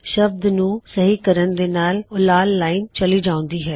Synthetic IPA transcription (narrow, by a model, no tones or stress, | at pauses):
ʃɐb̚d̪nũːsɐɦikɐɾənd̪eːnaːlʊlaːlːaːɪnt͡ʃɐliːd͡ʒãːʊ̃nd̪iːɦɛː